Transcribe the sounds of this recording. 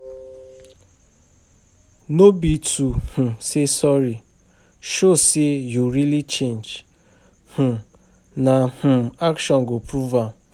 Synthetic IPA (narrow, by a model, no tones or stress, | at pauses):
nobituh̩sesɔɾi | ʃosijuɾilit͡ʃend͡ʒ | h̩ | nah̩akʃɔŋɡopɾuva